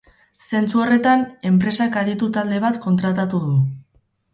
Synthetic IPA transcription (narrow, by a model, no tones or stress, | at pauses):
se̞nt͡suore̞t̪ane̞mpɾe̞sakaðit̪ut̪ald̪e̞β̞at̪ko̞nt̪ɾat̪at̪uðu